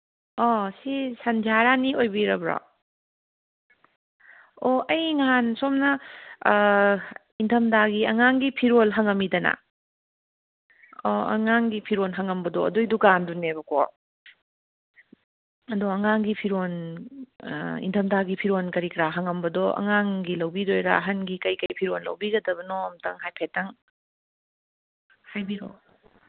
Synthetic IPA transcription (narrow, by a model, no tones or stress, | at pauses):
ɔsisɐnd͡ʒaɾaniojbiɾɐbɾɔ̰ | oʔɐjŋansomnɐ | intʰɐmdaɡiɐŋaŋɡipʰiɾolɦɐŋɐmidɐna̰ | ɔɐ̰ŋaŋɡipʰiɾolɦɐŋɐmbɐdɔɐ̰dujdukandunebɐkɔ̰ | ɐdɔɐŋaŋɡipʰiɾon | ḭntʰɐmdaɡipʰiɾonkɐɾikɾaɦɐŋɐmbɐdɔʔɐ̰ŋaŋɡilɐwbidojɾa̰ɐɦɐnɡikɐjkɐjpʰiɾonlɐ̰wbiɡɐdɐbɐnɔmtɐŋɦajpʰetːɐŋ | hajbiɾo̰